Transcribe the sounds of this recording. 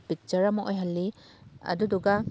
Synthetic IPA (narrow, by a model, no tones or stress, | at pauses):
bik̚t͡ʃaɾamaʔojɦalːi | ɐ̰duduɡa